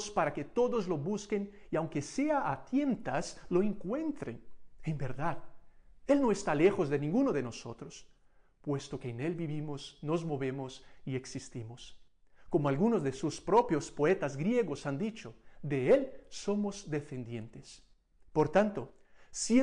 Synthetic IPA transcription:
spaɾaket̪o̞ðozlo̞βuskeniawŋkeseaʔat̪je̞nt̪aslo̞eŋkwe̞nt̪ɾḛnembeɾðaðe̞lno̞est̪ale̞xozðenĩŋɡunoðeno̞so̞̰t̪ɾos | pwe̞st̪o̞keːnelbiβimosno̞zmo̞βe̞mosieksist̪imos | komoalɣunozðesuspɾo̞pjo̞spo̞et̪azɡɾjeɣosand̪it͡ʃoðeelso̞mozd̪efend̪je̞nt̪es | poɾt̪ant̪o | sje

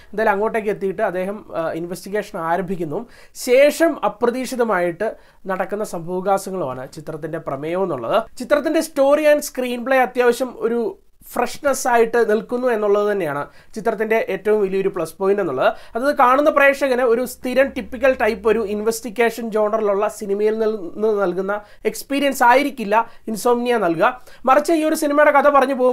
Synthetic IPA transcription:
end̪aːjlɐmɐŋːo̞ːʈːe̞ːk̬ːɨet̪ːijiʈːɨɐd̪ːe̞ːɦɐminʋestiɣe̞ːʂɐnaːɾɐmbʱikʲːunːɐʋum | ɕe̞ːʂɐmɐprɐðiːʂiðɐmaːjiʈːɨ | nɐɽɐkːunːɐsɐmbʱɐʋɣaːsɐŋːɐɭuma̰ːɳɨt͡ɕit̪rɐt̪ːinde̞prɐmeːjɐʋenːuɭːɐ̰ðɨt͡ɕit̪ːrɐt̪̬ːindesto̞ːriaːnskriːnpɭeːɐt̪jaːʋɐɕjɐmo̞̰ɾu | freɐʂnɐsaːjiʈːɨnilkunːue̞nːuɭːɐðɨt̪ɐnːejaːɳɨ | t͡ɕit̪ːrɐt̪ːinde̞ʔeːtːɐʋumʋilijo̞ɾupɭɐspo̞ːjinɖe̞nːuɭːɐðɨɐðɐðɨkaːɳunːɐpre̞ːkʂɐɣɐneo̞ɾust̪ʰiɾɐmʈipːikʲːɐlʈɐjpːo̞ɾuinʋestiɣe̞ːʂɐnd͡ʑo̞ːɳɐriluɭːɐsinimɐjilnnːɨnɐlkunːɐ | e̞kspiːɾijɐnsaːjiɾikʲːilːɐinsoːmnijanːɐlkuɣɐmɐrɐt͡ɕːɐiːo̞ɾusinimejɽekɐd̪ɐpɐrɐɲːupo̞ːɣm

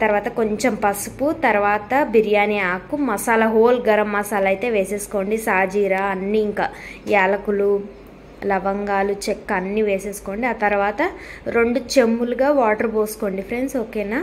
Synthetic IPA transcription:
at̪ɐɾuʋaːt̪ɐko̞ɲt͡ʃempɐsuput̪ɐɾuʋaːt̪ɐbiɾijaːniaːkumɐsaːlɐɦoːlɡɐɾɐmːɐsaːlɐjt̪e̞ːʋeːse̞ːsu̥ko̞ːɳɖisaːd͡ʒiːɾaːɐnːiːŋkaːjaːlɐkulu | lɐʋɐŋɡaːlut͡ʃekːɐnːiːʋeːse̞ːsu̥ko̞ːɳɖiaːt̪ɐɾuʋaːt̪ɐɾo̞ɳɖut͡ʃe̞mːuluɡaːʋaːʈɐɾboːsu̥ko̞ːɳɖipɾe̞nsoːkeːnaː

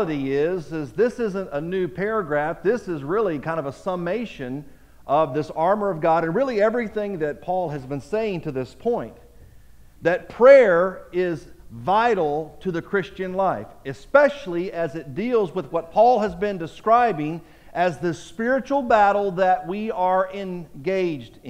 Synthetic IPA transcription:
əɾiɪzɨzðɪsɪzɨ̃ntənʉpʰɛɹɨɡɹæfðɪsɨzɹɪlˠikʰãɪ̃ndʌvəsəmeɪʃɨ̃n | ʔʌvðɪsɑɹmə˞ʌvɡɑɾɨ̃nɹɪlˠiɛvɹiθɪ̃ŋðɨt̚pʰɔlˠɨzbɨ̃nseɪɪ̃ŋtʰɨðɪspʰɔ̃ɪ̃n | ðɨt̚pʰɹ̥ɛɹɪzvaɪɾl̩ˠtʰɨðɨkʰɹ̥ɪst͡ʃɨ̃nlaɪfɨspɛʃl̩ˠiɨzɨt̚d̥ilˠzwəðwʌt̚pʰɔlˠɨzbɨ̃ndɨskɹaɪbɪ̃ŋ | ʔɨzðɨspɪɹɨt͡ʃul̩ˠbæɾl̩ˠðɨt̚wiə˞ʔɪ̃nɡeɪd͡ʒd

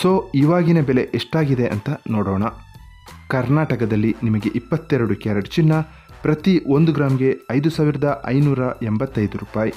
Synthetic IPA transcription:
soːiːʋaːɡinɐbele̞ʔeʂʈaːɡid̪eʔɐnt̪ɐnɔːɽɔːɳɐ | kɐɾnaːʈɐkɐd̪ɐlːinimɐɡe̞ʔipːɐt̪ːɛɾɐɽukjaːɾɐɽit͡ʃinːɐ | pɾɐt̪iond̪uɡɾaːmɡe̞ɐjd̪usaːʋiɾɐd̪ɐʔɐ̰jnuːɾɐembɐt̪ːɐjd̪uɾuːpaːji

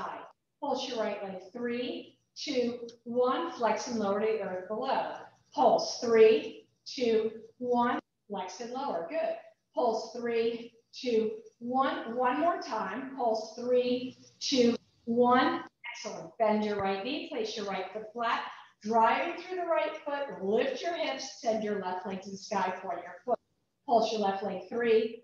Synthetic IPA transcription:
aɪd̚ | pʰʊlˠʃjə˞ɹaɪʔlẽɪθɹi | tʰʉwʌ̃nflɛksɨ̃nloʊə˞ɾiʔləʊbəloʊ | pʰolˠz̥θɹi | tʰʉwʌ̃n | flɛksɨ̃nloʊə˞ɡʊd̥̚ | pʰʊlˠz̥θɹi | tʰʉwʌ̃nwʌ̃nmɔɹtʰãɪ̃mpʰolˠsθɹitʰʉ | wʌ̃nɛksəl̩ˠə̃nt̚b̥ɛ̃nd͡ʒə˞ɹaɪt̚nipʰl̥eɪsjə˞ɹaɪt̪̚ðəflæk̚dɹaɪvɪ̃ŋθɹʉðəɹaɪtfʊt̚lɪft͡ʃə˞hɛ̃dz̥sɛ̃nd͡ʒə˞lɛftˡlɛ̃ŋktɨ̃nskaɪfə˞jə˞fʊt̚ | pʰʊlˠsjə˞lɛftˡlɛ̃ŋk̚θɹi

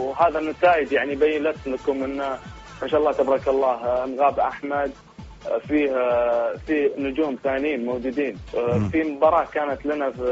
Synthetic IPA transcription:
wɦaːðanat̪aːjɪd̪jaʕnibajːɪlasːlakʊmʔɪnːa | maʃaʔɑlːɑːt̪abɾˤɑkɑlˤːɑːhnɣaːbʔaħmad̪̚ | fiːhfinʊd͡ʒuːmθaːnjiːnmaːd͡ʒuːd̪iːnfimʊbɑːɾˤɑːkaːnat̪lɪna

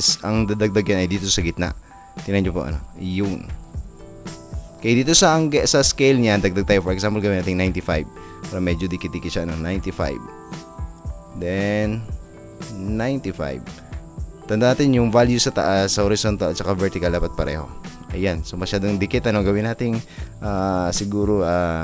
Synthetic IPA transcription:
sʔɐŋd̪ad̪ɐɡ̚d̪aɡjanɐjd̪iːt̪osɐɡɪt̪na̰ʔ | t̪ɪnɐɲɲopoʔɐ̰no̞̰jun | kɐjad̪iːt̪o̞sɐŋɡsɐskɛjlɲand̪ɐɡ̚d̪aɡ̚t̪ɐjopɔɹʔɛksampolɡɐwɪnaːt̪ɪŋnajnt̪ɪfajb̚ | paːɾɐmɛd͡ʒod̪ɪkɪt̪̚d̪ɪkɪt̪ʃɐʔɐno̞najnt̪ɪfa̰jb | d̪ɛn | najnt̪ɪfa̰jb̚ | t̪ɐnd̪anaːt̪ɪnjʊŋvaljusɐt̪ɐ̰ʔasːɐhoɾɪsont̪ɐlɐt̪t͡ʃɐkavɛɹt̪ɪkalːaːpat̪̚pɐɾɛ̰ːho̞̰ʔɐ̰jansomɐʃaːd̪oŋd̪ɪkɪt̪ɐno̞ɡɐwɪnaːt̪ɪŋʔaːsɪɡuːɾoʔa

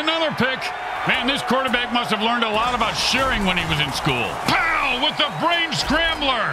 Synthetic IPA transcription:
ɨnʌðə˞pʰɪk | mæ̃nðɪskʰɔɹɾə˞bæk̚mʌst̚hɨvlɜ̃˞ndəlɔɾəbaʊtʃɛɹɪ̃ŋwə̃niwʌzɨ̃nskṵlˠpʰaʊwɪðəbɹẽɪ̃nskɹæ̃mblˠə˞

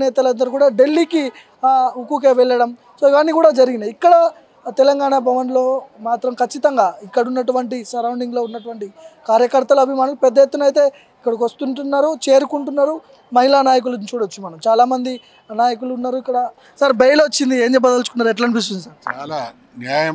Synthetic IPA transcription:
nɛːt̪ɐlɐnd̪ɐɾukuːɽaːɖe̞lːiki | ukuk̬eːʋɛɭːɐɽɐm | soːiʋanːikuːɽaːd͡ʒɐɾiɡinikːɐɽɐ | t̪ɛlɐŋɡaːɳɐbʱɐʋɐnlo̞ːmaːt̪ɾɐmkʰɐt͡ʃːit̪ɐŋɡaːikːɐɽunːɐʈuʋɐɳʈisɐɾɐwɳɖiŋɡlo̞ːunːɐʈuʋɐɳʈikaːɾjɐkɐɾt̪ɐlɐbʱimaːnulupɛd̪ːɐjet̪ːunɐjt̪e̞ː | ikːɐɽɐkʋɐst̪uɳʈunːaːɾut͡ʃe̞ːɾukuɳʈunːaːɾu | mɐɦilanaːjɐk̬ulɐt͡ʃuːɽɐt͡ʃːumɐnɐmt͡ʃaːlaːmɐnd̪i | naːjɐk̬uluːnːaːɾuikːɐɽɐ | sɐɾbɐjɐloot͡ʃːind̪ie̞ːɲd͡ʒɛpbːɐd̪ɐlt͡ʃukunːaːɾɛʈlɐɳbis̬t̪und̪isɐɾt͡ʃaːla | njaːjɐ

